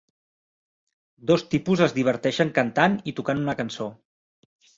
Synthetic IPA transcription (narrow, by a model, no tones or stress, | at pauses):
d̪ost̪ipuzəzðiβ̞əɾt̪ɛʃəŋkənt̪anit̪ukanunəkənso